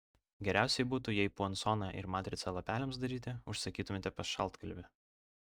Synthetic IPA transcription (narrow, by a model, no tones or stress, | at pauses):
ɡʲɛɾʲæˑʊsʲɛɪbuːt̪ʊjɛɪpuɔnsɔnɑʔɪ̰ɾmɑːt̪ʲɾʲɪt̪sɐlˠɐpʲæːlʲɛms̬d̪ɐɾʲiːt̪ʲɪʊʃsɐkʲiːt̪ʊmʲet̪ʲɛpɐsʃɐlˠˑt̪kɐlʲʋʲɪ